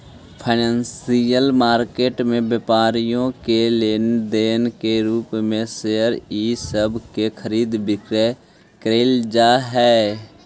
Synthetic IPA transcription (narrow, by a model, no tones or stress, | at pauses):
pʰaɪnə̃ːnsijəlmaːɾkeːʈmẽbjəpaːɾijõkeleːnd̪eːnkeɾuːpmẽseːəɾiːsəbʱkekʰəɾiːd̪bɪkɾe | kɾeːld͡ʒaːɦɛː